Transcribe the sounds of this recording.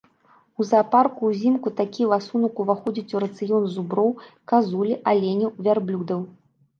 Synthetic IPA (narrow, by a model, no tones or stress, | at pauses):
uzaːparkuzʲimkut̪akʲivasunɐkuvaxɔd͡zʲit͡sʲuɾɐt̪sɨjɔnzubɾɔwkazulʲiʔalʲenʲiwvʲarblʲud̪ɐw